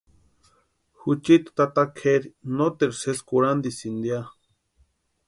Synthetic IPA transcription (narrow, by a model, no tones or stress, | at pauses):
hut͡ʃit̪t̪at̪akʰeɾinot̪eɾseskuɾand̪isind̪ja